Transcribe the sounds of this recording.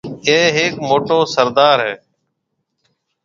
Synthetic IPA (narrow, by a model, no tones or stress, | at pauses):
eːɦeːkmoːʈoːsəɾd̪aːɾɦɛː